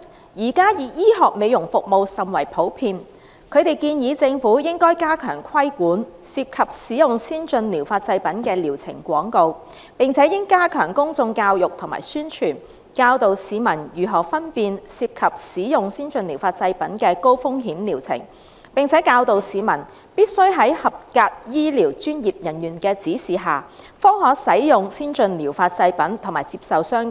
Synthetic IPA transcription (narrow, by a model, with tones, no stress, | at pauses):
jiː˨˩kaː˥jiː˨˧jiː˥ɦɔː˨k̚me˨˧jʊ˨˩ŋfʊ˨k̚mo˨˧wsɐ˨˩mwɐ˨˩jpʰo˨˥wpʰiː˧n | kʰɵ˨˧ɥt̪e˨jkiː˧njiː˨˧t͡sɪ˧ŋfuː˨˥jɪ˥ŋkɔː˥jkaː˥kʰœ̰ː˨˩ŋkʰɐ˥jkuː˨˥nsiː˧p̚kʰɐ˨p̚siː˨˥jʊ˨ŋsiː˥nt͡ʃɵ˧nliː˨˩wfaː˧t̚t͡sɐ˧jpɐ˨˥nkɛː˧liː˨˩wt͡sʰɪ̰˨˩ŋkʷɔː˨˥ŋko˧w | pɪ˨ŋt͡sʰɛː˨˥jɪ˥ŋkaː˥kʰœː˨˩ŋkʊ˥ŋt͡sʊ˧ŋkaː˧wjʊ˨k̚t̪ʰʊ˨˩ŋma̰ː˨˩jsyː˥nt͡ʃʰyː˨˩n | kaː˧wt̪o˨wsiː˨˧mɐ˨˩njyː˨˩ɦɔː˨˩fɐ˥npiː˨˧nsiː˧p̚kʰɐ˨p̚siː˨˥jʊ˨ŋsiː˥nt͡ʃɵ˧nliː˨˩wfaː˧t̚t͡sɐ˧jpɐ˨˥nkɛː˧ko˥wfʊ˥ŋɦiː˨˥mliː˨˩wt͡sʰɪ̰˨˩ŋ | pɪ˨ŋt͡sʰɛː˨˥kaː˧wt̪o˨wsiː˨˧mɐ˨˩n | piː˥t̚sɵ˥ɥɦɐ˨˥jhɐ˨p̚kaː˧t̚jiː˥liː˨˩wt͡ʃyː˥njiː˨p̚jɐ˨˩njyː˨˩nkɛː˧t͡siː˨˥siː˨˩ɦaː˨fɔː˥ŋhɔː˨k̚sɐ˨˥jjʊ˨ŋsiː˥nt͡sɵ˧nliː˨˩wfaː˧t̚t͡sɐ˧jpɐ˨˥nt̪ʰŋmaː˨˩jt͡siː˧p̚sɐ˨wsœː˥ŋ˨